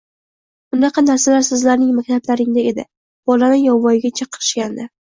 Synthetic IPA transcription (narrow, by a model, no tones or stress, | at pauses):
bʊnɑqʰɑnaɾsalaɾsɪzlaɾnɪŋmak̚ʲt̪ʰablaɾɪŋd̪ae̞d̪ɪ̰ | b̥ɒlanɪjɒwvːɒjɪɡʲat͡ʃʰaqʰɨɾɪ̥ʃkʲand̪ɪ